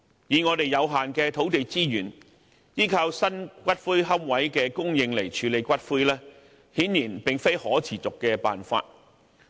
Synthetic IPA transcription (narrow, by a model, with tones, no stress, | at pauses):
jiː˨˧ŋɔː˨˧t̪e˨jjɐ˨˧wɦaː˨nkɛː˧t̪ʰo˨˥wt̪e˨jt͡siː˥jyː˨˩n | jiː˥kʰaː˧wsɐ˥nkʷɐ˥t̚fuː˥jɦɐ˥m̚wɐ˨˥jkɛː˧kʊ˥ŋjɪ˧ŋle˨˩jt͡ʃʰyː˨˥le˨˧jkʷɐ˥t̚fuː˥jlɛː˥ | hiː˨˥nːiː˨˩npɪ˨ŋfe˥jhɔː˨˥t͡sʰiː˨˩t͡sʊ˨kːɛː˧pa̰ː˨nfa̰ː˧t̚